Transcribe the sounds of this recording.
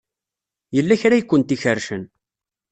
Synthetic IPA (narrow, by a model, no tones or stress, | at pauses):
jəlːæçɾæjikʷːənt̪içərʃən